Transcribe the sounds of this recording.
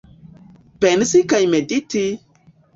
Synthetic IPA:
b̥enisikajmediti

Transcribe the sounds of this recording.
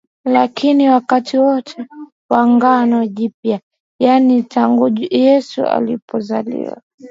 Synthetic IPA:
lakʰiniwakatʰiwɔtʰɛ | waŋɡanɔʄipja | janitaŋɡujɛsṵa̰lipɔzalḭwa̰

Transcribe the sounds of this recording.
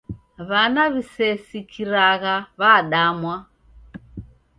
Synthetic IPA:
βanaβisɛsikʰiɾaɣaβaɗamwa

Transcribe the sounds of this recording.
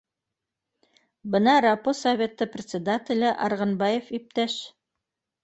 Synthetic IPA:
bɤnɑɾɑposɐvʲet̪ːɤprʲɪt̪sʲɪd̪at̪ʲɪlʲɘʔɑɾʁɤ̆nbɑjefip̚t̪æʃ

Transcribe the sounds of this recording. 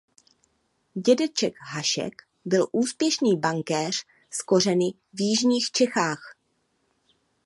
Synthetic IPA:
ɟɛdɛt͡ʃɛkɦaʃɛ̰k | bɪlʔuːspjɛʃniːbaŋkɛːr̝̥ | sko̞rɛnɪ | vjɪʒɲiːxt͡ʃɛxaːx

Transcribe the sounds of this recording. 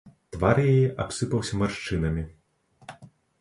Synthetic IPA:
t̪varjajɛʔapsɨpɐwsʲɐmarʂt͡ʂɨnɐmʲi

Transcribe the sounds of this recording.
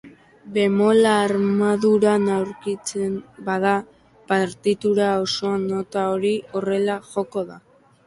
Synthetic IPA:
be̞mo̞laːɾmaðuɾanawɾkit͡sembað̞a | paɾt̪it̪uɾao̞so̞ano̞t̪aoɾio̞re̞laʝo̞ko̞ða

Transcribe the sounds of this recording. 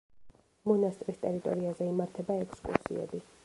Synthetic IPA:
mɔnast̪ʼɾist̪ʼɛɾit̪ʼɔɾiazɛimaɾt̪ʰɛbaɛkʰskʼṵɾsḭɛ̰bi

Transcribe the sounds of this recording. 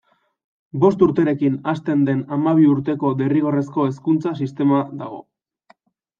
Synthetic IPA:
bo̞st̪uɾt̪e̞ɾe̞kinast̪e̞nd̪e̞namaβ̞iuɾt̪e̞ko̞d̪e̞riɣ̞ore̞sko̞e̞s̬kunt͡sasist̪e̞maðaɣ̞o̞̰

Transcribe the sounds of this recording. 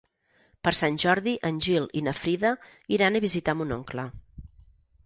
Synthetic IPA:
pəɾsanʲʒɔɾðiʔənʲʒilˠinəfɾiðəiɾanəβizit̪amunoŋklə

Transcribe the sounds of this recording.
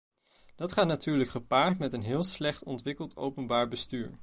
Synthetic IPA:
d̥ɑtχaːtnatyːɹləkχəpaːɹtmɛtənɦɪːlˠslɛχtɔntʋɪkəlˠto̰wpənbaːɹbəstyːɹ

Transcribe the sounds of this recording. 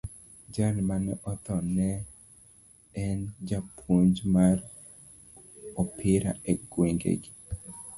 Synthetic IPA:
d͡ʒalmanɛ̰ʔɔt̪ɔnɛ | ɛnd͡ʒapʰuɲd͡ʒmar | ɔpʰɪɾa̰eɡ̥weŋɡḛɡi

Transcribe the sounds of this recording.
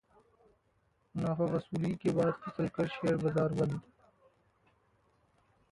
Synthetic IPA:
mʊnaːfaːɣɐsuːlikebaːd̪fɐsəlkɐɾʃeːɾbɐzaːɾbɐnd̪

